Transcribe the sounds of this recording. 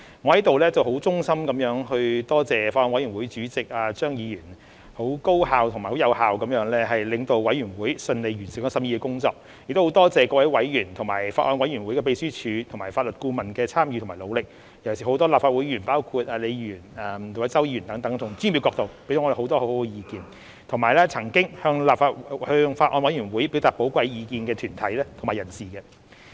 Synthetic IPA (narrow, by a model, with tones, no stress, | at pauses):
ŋɔ˨˧hɐ˨˥t̪o˨wlɛː˥t͡sɐ˨whɦo˨˥wt͡sʊ˥ŋsɐ˥mkɐ˨˥mjœː˨˥ŋhɵ˧ɥt̪ɔː˥t͡sɛː˨faː˧ʔɔː˧nwɐ˨˥jɥy˨˩nwuː˨˥jt͡syː˨˥t͡sɪ˨k̚ʔaː˧t͡ʃœː˥ŋjiː˨˧jyː˨˩n | ho˨˥wko˥whaː˨wt̪ʰʊ˨ŋmaː˨˩ho˨˥wjɐ˨˧whaː˨wkɐ˨˥mjœː˨˥ŋlɛː˥ɦɐ˨jlɪ˨˧ŋt̪o˧wwɐ˨˥jyː˨˩nwuː˨˥jsɵ˧nle˨˧jɥy˨˩nsiː˨˩kɔː˧˥sɐ˧˥mjiː˧kɛː˧kʊ˥ŋt͡sɔː˧k̚ | jk̚t̪o˥o˨˧˥t̪ɔː˥t͡sɛː˨kɔː˧˥wɐ˧˥jwɐ˨˥jjyː˨˩nt̪ʰʊ˨˩ŋma̰ː˨˩jfaː˧t̚ʔɔː˧nwɐ˨˥jɥy˨˩nwu˨˥jkɛː˧pe˧jsyː˥t͡ʃʰyː˨˧t̪ʰʊ˨˩ŋmaː˨˩jfaː˧t̚lɵ˨t̚kuː˧mɐ˨˩nkɛː˧t͡sʰaː˥mjyː˧tʰʊ˨˩maː˨˩lo˨˧wlɪ˨k̚ | jɐ˨˩wsi˨˩ho˨˥wt̪ɔː˥laː˨p̚faː˧t̚wuː˨˥jjyː˨˩npaː˥wkʰuː˧t̚aː˨le˨˧jyː˨˩nɐ˨mt̪ʰo˨˩wɐ˨˥jt͡sɐ˥wji˧jyː˨˩nt̪ɐ˨˥ŋt̪ɐ˨˥ŋt̪ʰʊ˨˩ŋt͡sy˥nmi˨˧wkɔː˧k̚t̪o˨wpe˥do˨˦ŋːɔː˧de˨˩ho˨˥wt̪ɔː˥ho˧˥ho˨˧˥kɛ˧jiː˧kiː˧n | t̪ʰʊ˨˩ŋmaː˨˩jlɛː˥t͡sʰɐ˨˩ŋkɪ˥ŋhœː˧ŋlaː˨pfaː˧t̚hœː˧ŋfaː˧tʔɔ̰ː˧nwɐ˨˥jɥyː˨˩nwu˨˥jpi˨˥wt̪aː˨˩po˨˥wkʷɐ˧jjiː˧kiː˧nkɛː˧t̪ʰyː˨˩nt̪ʰɐ˨˥jlɛː˥t̪ʰʊ˨˩maː˨˩jɐ˨˩nsiː˨˩kɛ˧